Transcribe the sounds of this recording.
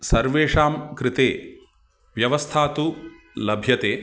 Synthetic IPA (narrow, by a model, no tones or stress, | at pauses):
sɐɾʋeːʂaːmkɾɪt̪eː | ʋjɐʋɐst̪ʰaːt̪u | lɐbʱjɐt̪eː